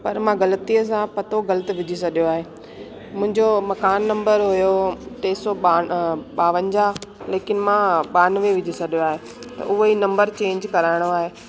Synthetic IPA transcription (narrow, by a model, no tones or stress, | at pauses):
pɐɾmãɡɐlət̪iːəs̬ãpɐt̪oɣɐlət̪ɪ̆ʋɪd͡ʑʱisɐɗijoaːɦeː | mʊ̃ɦɪ̃ɲd͡ʑomɐkaːnːɐ̃mbəɾɦʊjoʈ̪eːsɔaɓaːʋənd͡ʑaleːkɪnɪ̆mãɓaːnʋeʋɪd͡ʑʱisɐɗijoaːɦe | t̪ɐ̰ʔʊɦoinɐ̃mbəɾt͡ɕẽːɲd͡ʑkɐɾaːɪɽ̃oaːɦeː